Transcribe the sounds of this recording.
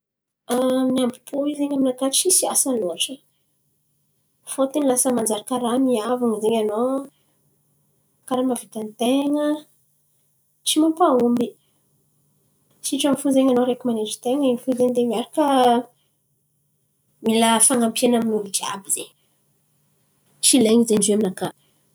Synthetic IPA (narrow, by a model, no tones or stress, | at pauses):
aniambipʰuizeɲaminakaʈ͡ʂisiasaloaʈ͡ʂə | fot̪enilasəmand͡zaɾakaɾamiavaŋizeɲano | kaɾamavit̪ant̪eŋə | t͡simampaumbi | ʃiʈ͡ʂamfuzeɲanoɾekimaned͡ʒi̥t̪eŋəeɲfuzeɲd̪emiaɾakə | milafaŋampienaminuludia̰bizeɲ | ʈ͡ʂileŋizeɳɖ͡ʐeminaka